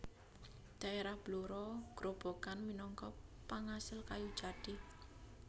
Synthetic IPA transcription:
d̪̥a̤eɾahb̥luɾɔɡ̥ɾob̥o̤kanminɔŋkɔpaŋasɪlkajud̥d͡ʒ̥ad̥ɪ

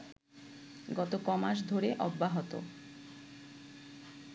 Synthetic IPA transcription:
ɡɔt̪okɔmaʃ̬d̪ʱoɾeʔɔbːaɦot̪o̰

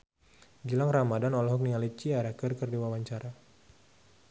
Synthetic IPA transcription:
d͡ʒəlaŋramadanɔlɔɦɔk̚niŋalit͡ʃiaɾakərkɨrdiwawaɲt͡ʃaɾa

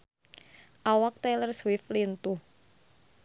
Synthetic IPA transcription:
ʔawak̚t̪elərswɪflint̪uh

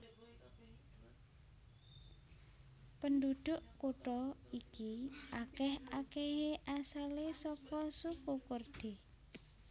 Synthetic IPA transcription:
pəndud̪̥ʊʔkuʈɔikiʔakɛhakeɦeʔasalesɔkɔsukukərd̪̥e

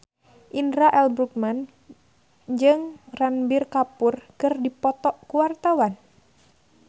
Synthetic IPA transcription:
ʔindɾaʔɛlbɾuk̚man | d͡ʒɨŋranbirkapurkɨrdipɔt̪ɔʔkuwart̪awan

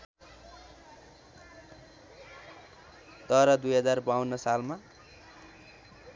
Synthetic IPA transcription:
d̪ʌɾʌd̪ujɦʌd͡zarbawunːʌsalma

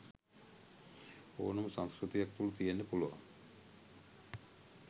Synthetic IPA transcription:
o̰numsaŋskɾit̪ijak̚t̪ulut̪ijenːepuloa̰

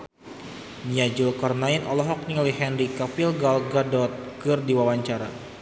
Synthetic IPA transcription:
niad͡ʒulkɔrnainʔɔlɔɦɔk̚niŋaliɦɛnrikapilɡalɡadɔt̪̚ɡɨrdiwawaɲt͡ʃaɾa

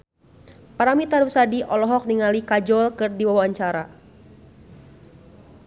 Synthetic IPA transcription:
paɾamit̪aɾusadiʔɔlɔɦɔk̚niŋalikad͡ʒɔlkɨrdiwawaɲt͡ʃaɾa

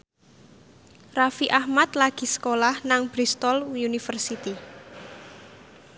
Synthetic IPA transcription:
rafiʔahmat̪laɡ̥i̤sə̥kolahnaŋb̥ɾist̪ɔljunifərsit̪i

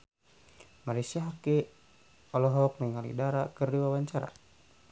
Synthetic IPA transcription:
maɾisiaɦake | ɔlɔɦɔk̚nɛŋalḭdaɾakərdiwawaɲt͡ʃaɾa̰

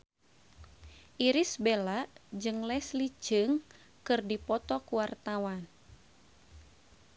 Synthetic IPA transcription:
ʔiɾisbelaʔd͡ʒɨŋlɛslid͡ʒɨŋ | kɨrdipɔt̪ɔkuwart̪awan

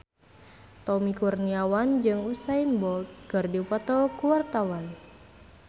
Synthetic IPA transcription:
t̪ɔmikurniawand͡ʒɨŋusainbɔlt̪̚kɨrdiupat̪ɔkuwart̪awan

